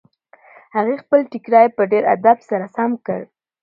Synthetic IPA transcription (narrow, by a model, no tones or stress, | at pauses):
haɣexpəlʈikɾɑjepəɖeɾa̰d̪absaɾasamkəɽ